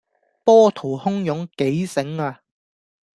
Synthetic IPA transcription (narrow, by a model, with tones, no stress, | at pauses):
pɔː˥t̪ʰo˨˩hʊ˥ŋjʊ˨˥ŋke˨˥jsɪ˨˥ŋaː˧